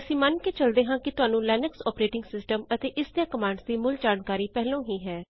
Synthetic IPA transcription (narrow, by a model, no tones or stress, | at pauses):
əsĩːmənkeːt͡ʃəld̪eːɦãːkɪt̪ʊɦaːnũːlɛːnɛksɔːpɾeːʈɪ̃ŋɡsɪsʈəmət̪eːʔɪsd̪ejãːkəmaːɳɖsd̪iːmʊld͡ʒaːnkaːɾiːpɛɦlõːɦiːɦɛː